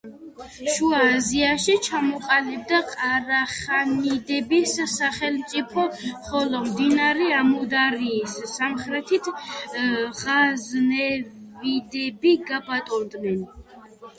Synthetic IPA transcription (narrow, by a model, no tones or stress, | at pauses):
ʃuaːziaʃit͡ʃʰamɔqʼalib̚d̪aqʼaɾaχanid̪ɛbisaχɛlmt̪sʼipʰɔmχɔlɔmd̪inaɾɛamɔd̪aɾiːsːamχɾɛt̪ʰit̪ʰ | ʁaznɛvid̪ɛbiɡabat̪ʼɔnd̪nɛn